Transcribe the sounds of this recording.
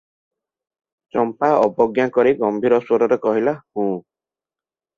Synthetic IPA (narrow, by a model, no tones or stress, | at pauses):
t͡ʃɔmpaɔbɔɡjakɔɾiɡɔmbʱiɾɔswɔɾɔɾekɔɦilahũː